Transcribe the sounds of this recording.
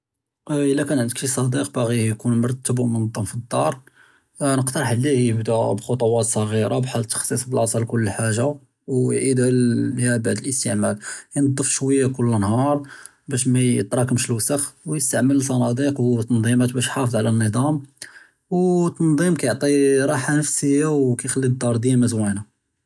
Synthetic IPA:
ʔəlːækænʕənd̪əkʃisˤɑd̪iqbaɣijkunmɑɾˤt̪ːəbmənd̪ˤːɑmfid̪ːɑɾˤ | nəqt̪əɾˤħlːihjəbd̪æbxot̪ˤuwɑt̪sˤɑɣiɾabħalt̪ːə̥xsˤisˤbəlʕɑsˤɑlkʊlːəlħaʒa | wʕid̪ʕlhæbaʕd̪əlʔəst̪əʕmæljnd̪ˤːəfʃwəjːakʊlːnhɑɾˤ | bæʃ̬mæjət̪ɾˤɑkəmʃəlwsəxwjəst̪aʕmələlsˤɑnɑd̪iqwt̪ːɑnd̪ˤimæt̪bæʃħɑfəðˤʕalænːəd̪ˤɑm | wt̪ːɑnd̪ˤimkæjoʕt̪ˤiɾˤɑħanəfsəjːawkæjxælːid̪ːɑɾˤd̪ijæmæzwæna

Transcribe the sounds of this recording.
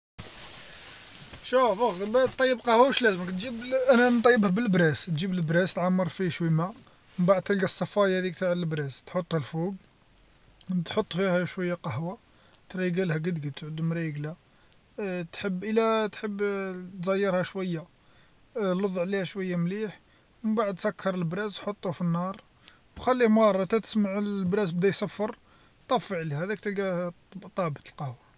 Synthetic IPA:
ʃufɑxsbæt̪ːˤɑjːəbqɑhwawəʃlæzəməkt̪ʒibʔænænt̪ˤɑjːəbhbəlbɾæst̪ʒibəlbɾæst̪ʕamːɑɾˤfiʃwimæ | məmbaʕd̪̚t̪əlɡæsˤːɑfɑjhæd̪ik̚t̪aʕəlbɾæst̪ħot̪ˤːhælfuɡ | t̪ħot̪ˤːfihæʃwæjːaqɑhwa | t̪ɾˤiɡælhæɡəd̪ɡət̪ʕəd̪ːumɾiɡlæ | t̪ħəbːʔəlæt̪ħəbːt̪zæjːəɾˤhæʃwæjːa | loðˤːʕlihæʃwəjːamliħ | məbaʕəd̪̚sækʰːɑɾˤəlbɾæzħot̪ˤːufinːɑɾˤ | bxælːihmɑɾˤːɑt̪æt̪ə̥smaʕlbɾæsbd̪æjsæfːəɾˤ | t̪ˤɑfːəʕlihæd̪ækt̪əlɡæ | t̪ˤɑbət̪əlqɑhwa

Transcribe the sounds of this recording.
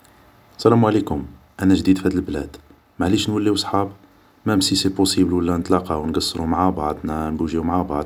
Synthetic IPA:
sælæmwʕlikʊm | ʔænæʒd̪id̪fhæd̪əlblæ̰d̪̥ | maʕliʃnwəlːiwsˤħɑb | mæmsisepusibəlwəlːænət̪lɑqɑwnɡɑsˤːɾumaʕabɑʕd̪ˤnænbuʒiumaʕabɑʕd̪

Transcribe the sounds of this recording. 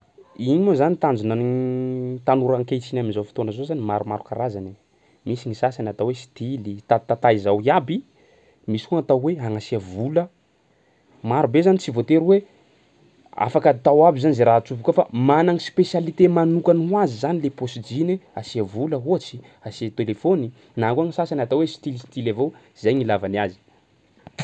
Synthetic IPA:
iɲimozanit̪and͡zunan | t̪anuɾaŋket͡sinaminzawfi̥t̪onəzozanimaɾuma̰ɾukaɾazane | misiŋisasanat̪awesi̥t̪ilit̪at̪at̪aizawiabi | misi̥kuŋat̪awweaŋasiəvulə | maɾubezanit͡sivot̪eɾuwe | a̰fakət̪awabizanizeɾaɦat͡suvukəfamanaŋispesjalit̪emanukanwazizanileposid͡ʒineasiəvuləɦot͡si̥ | asiat̪elefoni | nakuaŋisasanat̪awesi̥t̪ilisi̥t̪ilavow | zejŋilavaniazi̥

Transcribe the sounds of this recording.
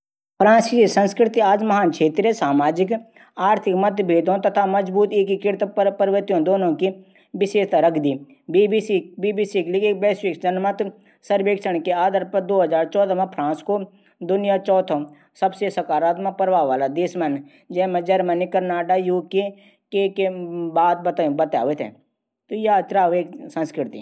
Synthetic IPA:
pʰɾãːnskisə̃nskɾɪt̪iaːd͡ʒmɐɦaːnkʰeːt̪ɾjəsaːmaːd͡ʒɪk | aːɾt̪ʰɪkmət̪bʱeːd̪õt̪ɐt̪ʰaməd͡ʒbuːt̪eːkikɪɾt̪ppəɾʋət̪ijõd̪oːnõki | ʋɪʃeːʃt̪aɾəkʰd̪iː | iisibiːbiːsiklɪkek̚bɛːsʋɪkd͡ʒənmət̪ | sɐɾbeːkʃəɽ̃keaːd̪əɾpəd̪oːɦɐzaːɾt͡ʃɔːd̪amẽpʰɾãːnsko | d̪ʊnɪjat͡ʃɔːt̪ʰõ | sɐbsesɐkaːɾaːt̪mapɐɾʋaːʋaːlad̪eːsmɛn | d͡ʒɛːmẽd͡ʒɐɾmənikɐɾnaːʈajuːke | kekebaːd̪̚bɐt̪bɐt̪a̰ːʋet̪ʰɛ̰̃ | t̪ojat͡ʃɾaːʋeːksɐ̃nskɾɪt̪ḭ

